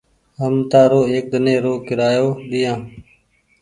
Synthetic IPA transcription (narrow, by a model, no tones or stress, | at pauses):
ɦəmt̪aːɾoːeːk̚ɗ̪əneːɾoːkɪɾaːjoːɗɪːjãː